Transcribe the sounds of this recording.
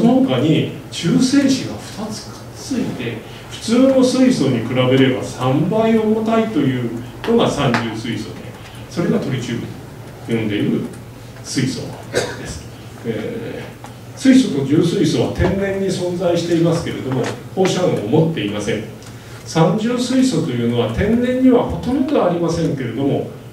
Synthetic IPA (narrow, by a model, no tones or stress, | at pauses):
onohokaɲ̟it͡ɕɨːse̞ːɕiɡaɸɯ̟̥t̪at͡sɨ̥kḁ | t͡sɨit̪e̞ | ɸɯ̟̥t͡sɨːno̞sɨiso̞ɲ̟ikɯ̟ɾabe̞ɾe̞basãmbaio̞mot̪ait̪o̞jɯ̟ː | no̞ɡasãɲd͡ʑɨːsɨiso̞̰d̪e̞̰ | so̞ɾe̞ɡat̪o̞ɾʲit͡ɕɨːbɯ̟ɲo | jõ̞nd̪e̞iɾɯ̟ | sɨiso̞̰ | d̪̥e̞sɨ̥ | ḛː | sɨiso̞t̪o̞d͡ʑɨːsɨiso̞β̞at̪ẽ̞nːẽ̞ɲ̟ːisõ̞nd͡zaiɕi̥t̪e̞imasɨ̥ke̞ɾe̞d̪o̞mo̞ho̞ːɕaɰ̃omo̞t̪ːe̞imasẽ̞ɴ | sãɲd͡ʑɨːsɨiso̞t̪o̞jɯ̟ːno̞βat̪ẽ̞nːẽ̞ɲ̟ːiβaho̞t̪onʲit̪ɯaːɾʲimasẽ̞ŋke̞ɾe̞d̪o̞mo̞